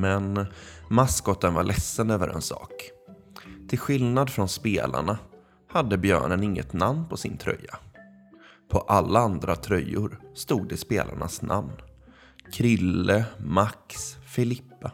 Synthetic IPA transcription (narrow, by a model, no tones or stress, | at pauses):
mɛnmaskɔt̪ːənvaɭʔɛsːənøːvəɾʔɛ̰nsɑ̰ːk | t̪ʰɪlɧɪlnad̪fɾɔnspeːlʔa̰ɳa | had̪ːəbjœ̰ːɳənɪŋːə̰t̪namnpʰɔsɪ̰nt̪ʰɾœ̰jːa | pʰɔʔalːaand̪ɾat̪ʰɾœjːʊɾst̪uːɡ̪d̪ɛspeːlʔa̰ɳasnʔa̰mn | kʰɾɪlːəmaksfɪlɪpːə